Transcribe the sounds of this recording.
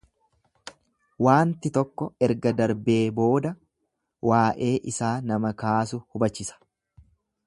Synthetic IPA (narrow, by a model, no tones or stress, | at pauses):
waːnt̪ɪt̪ɔkːɔɛɾɡɐd̪ɐɾbe̞ːbo̞ːd̪ɐ | waːʔe̞ːʔɪsaːnɐmɐkaːsʊhʊbɐt͡ʃːɪsɐ̥